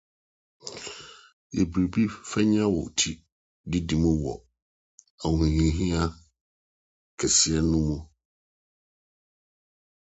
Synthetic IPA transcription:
e˨bɾi˨bi˦fɛ˦ɲ˦ã˦wɔ̰˨tʰi˦ | dɪ˦di˨mũ˦wɔ̰˨ | a˨hũ˨ɲĩ˨˦ɦĩ˦a˦ | kʰɛ˨sɪ˦ɛ˦nʊ̃˦mũ˦

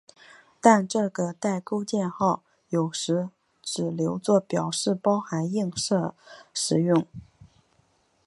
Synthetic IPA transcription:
t̪a˥˧nʈ͡ʂɤ˥˩ɡə˩t̪a˥˩ɪko˥ʊt͡ɕjɛ˥˧nxɑ˥˩ʊ | jo˨˩ʊʂɻ̩˧˥ | ʈ͡ʂɻ̩˨˩ljo˧˥ʊt͡swɔ˥˩pjɑ˨˩ʊʂɻ̩˥˩pɑ˥ʊxa˧˥ni˥˧ŋʂɤ˥˩ʂɻ̩˧˥jʊ˥˩ŋ

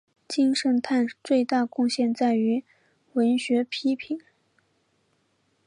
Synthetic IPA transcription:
t͡ɕi˥ŋʂə˧˥ŋt̪ʰa˥˧nt͡swe˥˧ɪt̪a˥˧kʊ˥˧ŋɕjɛ˥˧nt͡sa˥˩ɪy˧˥ | wə˧˥nɕɥɛ˧˥pʰi˥pʰi˨˩˦n

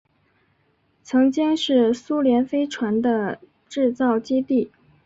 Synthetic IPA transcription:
t͡sʰɤ˧˥ŋt͡ɕi˥ŋʂɻ̩˥˩su˥ljɛ˧˥nfe˥ɪʈ͡ʂʰwa˧˥nd̪ə˧ | ʈ͡ʂɻ̩˥˧t͡sɑ˥˩ʊt͡ɕi˥t̪i˥˩

